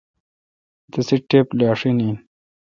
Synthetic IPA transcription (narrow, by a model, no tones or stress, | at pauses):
t̪ɐsiʈːeːplaːʂini